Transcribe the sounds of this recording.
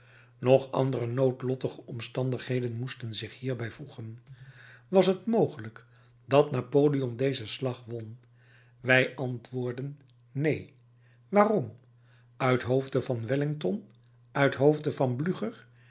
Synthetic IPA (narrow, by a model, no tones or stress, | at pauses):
nɔχɑ̰ndərənowtlɔtəχəʔɔmstɑndəχɦejdənmustənzɪχhiːɹbɛjvuχən | ʋɑsɦətmowχələk | d̥ɑtnaːpoːliɔndejzəslɑχʋɔn | ʋɛjʔɑntʋʊːɹdənː | ej | ʋaːrɔm | œɥtɦowvdəvɑnʋɛlɪŋtɔn | œɥtɦowvdəvɑnblyχəɹ